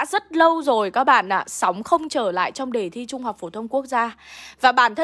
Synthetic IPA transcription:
a̰ː˧˥zə˦˥t̚lə˧wzo˨˩jkaː˨˦k̚ɓa̰ː˧˨nʔaː˨˩sɔ˨˦wŋ͡mxə˧wŋ͡mt͡ɕəː˧˩la̰ː˧˨jt͡ɕɔ˧wŋ͡mɗe˨˩t̪ʰi˧t͡ɕʊ˧ŋ͡mha˨˩k͡p̚fo˧˩t̪ʰə˧wŋ͡mku˦˥ək̚zaː˧vaː˨˩ɓaː˧˩nt̪ʰə˧

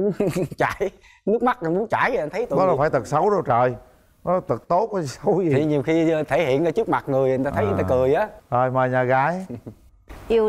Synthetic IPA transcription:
t͡ɕa̰ː˧˩˦j | nɨ˦˥ək̚ma˦˥t̚ʔa˨˩mu˨˦nt͡ɕaː˧˩jʔa˧n̟t̪ʰə˨˦jt̪ːɔ˨˦la˨˩faː˧˩jt̪ɨ˨˩sə˨˦wzo˧˩t͡ɕəː˨˩j | nɔ˨˦lt̪ɨ˨˩k̚t̪o˦˥t̚ʔɔ˨˦˨sə˨˦wzi˨i˨˩ɲi˨˩əwxi˧t̪ʰe˧˩hḭ˧˨ənʔəː˧˦t͡ɕɨ˦˥k̚ma˨˩t̚ŋɨ˨˩əjʔŋa˧t̪ə˨˦jʔŋt̪a˧kɨ˨˩əjʔaː˨˦ʔəː˨˩jməː˨˩jɲaː˨˩ɣaː˨˦j | ʔi˧

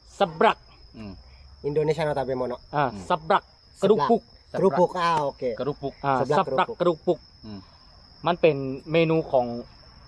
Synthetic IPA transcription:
sa˧˦bɾa˧˩k̚ | ʔi˧ndo˧neː˧t͡ɕʰa˥˨n˧˩t̪aː˨˧˩be˧˩mɔː˧nɔ˧ʔaː˧˩sa˧˦bɾa˧˩k̚ | kːɾu˧pu˧˩k̚ | ɾu˧u˧˩kaː˧o˧kʰeː˧ɾu˧u˧˩k̚ʔaː˧˩˧sa˧ɾa˧˩kːɾu˧˩k̚pu˧˩k̚ | ma˧˥˨npe˨nmeː˧nuː˧kʰɔː˩˦ŋ

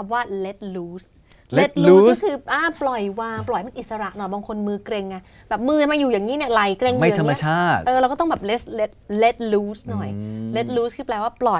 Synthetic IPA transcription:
kʰa˧mwaː˥˩le˦˥t̪̚luː˦˥s | le˦˥t̪̚lu˦sɔː˥kʰɯː˧ʔaː˧˩plɔ˨˩jwaː˧ŋplɔ˨˩jma˧nʔi˨˩t̪sa˧ɾa˨˩ʔnɔ˨˩jbɔː˧ŋkʰo˧nmɯː˧kɾe˧ŋːa˧˩ | bɛː˨˩p̚mɯː˧a˧maː˧juː˨˩jaː˨˩ŋːiː˦˥ni˥˩la˨˩jkɾe˧ŋuma˧˨t̪ʰa˧˨˦ma˧˨˧t͡ɕʰaː˥˩t̪̚ʔɤː˧ɾa˧wkɔː˥˩˥bɛː˨˩p̚le˦˥t̪̚le˦˥t̪̚le˦˥t̪̚luː˦˥snɔ˨˩jle˦˥t̪̚luː˦˥skʰɯː˧plɛː˧waː˥˩plɔ˨˩j

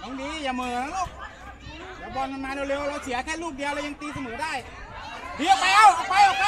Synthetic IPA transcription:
ja˨˧ŋdiː˧jaː˨˩mɯː˨˩˨na˦˥loː˧˩k̚ | jaː˨˩bɔː˧nma˧nmaː˧neː˧wle˧wɾa˧wsʰi˨˦ɐkʰɛː˥˩luː˥˩t̚di˧wlaː˦˧˩ja˧ŋt̪iː˧sa˧mɤː˨˦daː˥˩j | di˨˦˥ʔɔ˨˩a˧˥˩wʔa˧˩pa˧jʔɔː˨˩k̚a˦

